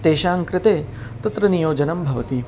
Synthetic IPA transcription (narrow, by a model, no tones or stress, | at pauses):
t̪eːʃaːŋkɾɪt̪eː | t̪ɐt̪ɾɐnijoːd͡ʒɐnɐmbʱɐʋɐt̪i